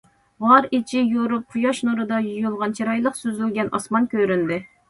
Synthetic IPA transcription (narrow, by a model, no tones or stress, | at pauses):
ʁɑɾit͡ʃʰijoɾup̚qʰujɑʃnuɾɨd̪ɑjujulˠʁɑnt͡ʃʰiɾɑjlˠəqsyzylɡʲɛnʔɑ̰smɑnkʲøɾynd̪ɪ